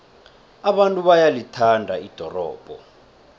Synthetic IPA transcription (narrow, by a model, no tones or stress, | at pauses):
aɓantʼuɓajalitʰandʱaid̥ʱɔrɔ̰ːb̥ʱɔ